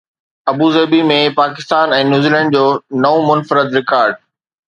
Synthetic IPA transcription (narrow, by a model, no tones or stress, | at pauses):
ɐbuzɐːbimẽpaːkɪ̥st̪aːnɛ̃ːnjuːzilɛ̃ːɳɖ̚d͡ʑoːnɐõmʊnfɾɪd̪ɾɪkaːɾɖ̚